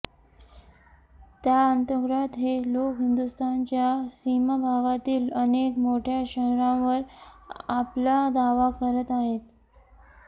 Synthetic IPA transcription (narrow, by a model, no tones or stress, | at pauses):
t̪jaənt̪əɡɾat̪ɦelokɦind̪ust̪ant͡ɕjasimabʱaɡat̪iːlənekmoʈʰjaɕəɦɾãʋəɾaplad̪aʋakəɾət̪aɦet̪̚